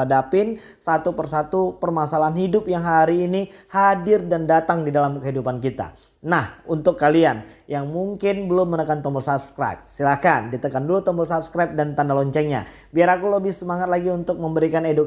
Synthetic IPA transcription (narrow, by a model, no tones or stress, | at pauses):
adapɪn | sat̪upərsat̪upərmasalaɦanhidʊp̚jaŋɦaɾiːnihadɪrdandat̪aŋdidalamkəɦidupankit̪a̰ | nahunt̪ʊkːalianjaŋmuŋkɪnbəlʊmːənəkant̪ɔmbɔlsap̚skɾa̰jp̚silahkandit̪əkandulut̪ɔmbɔlsap̚skɾajp̚dant̪andalɔɲt͡ʃɛŋɲa̰ | biaɾakuləbɪhsəmaŋat̪̚laɡiunt̪ʊk̚məmbəɾikaneduk